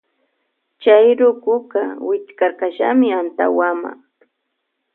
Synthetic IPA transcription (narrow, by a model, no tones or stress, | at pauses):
t͡ʃajɾʊkʊɢawɪt͡ʃkaɾkaʃamɪant̪a̰wama̰ŋ